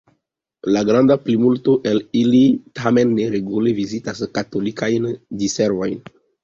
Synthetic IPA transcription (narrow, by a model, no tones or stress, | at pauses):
laɡɾandaplimultoʔelilitʰame̞nːeɾeɡulevizitaskato̞likajndiseɾvo̞jn